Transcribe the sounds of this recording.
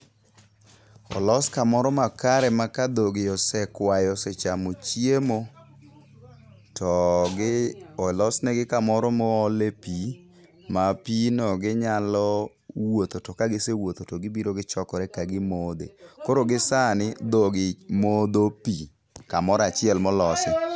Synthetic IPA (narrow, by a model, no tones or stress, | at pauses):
ɔ̰lɔskamɔɾɔmakaɾɛmakad̪oɡɪɔsɛkwajɔsɛt͡ʃamot͡ʃjemo | tɔ | ɔlɔsnɛɡɪkamɔɾɔmɔːlepi | mapinɔɡɪɲalɔ | wot̪otɔkaɡɪsewot̪otɔɡɪbiɾoɡɪt͡ʃɔkɔɾɛkaɡɪmod̪ḛkoɾoɡɪsanɪd̪oɡɪmod̪opi | kamɔɾat͡ʃɪɛlmɔlɔsɛ